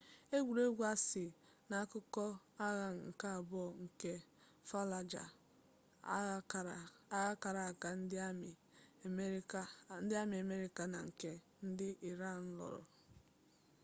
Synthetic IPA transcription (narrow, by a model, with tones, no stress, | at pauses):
e˦ɡʷu˨ɾe˦ɡʷa˦sɪ˨ | na˨a˦kʊ˦kɔ˦ | a˦ɣa˨ŋ˨ŋ̩˨ka˦a˨bɔ˦˨ŋ̩˨ke˦ | fa˦la˨d͡ʒa̰˨ | a˦ɣa˦ka˨ɾa˨a˨ka˨n̩˦d | n̩˦dɪ˦a˦m˨a˨me˦ɾi˦ka˨na˨ŋ̩˨ke˦ | n̩˦dɪ˦ʔi˨ɾa˦˨n̩˦lɔ̰˨ɾʊ̰˨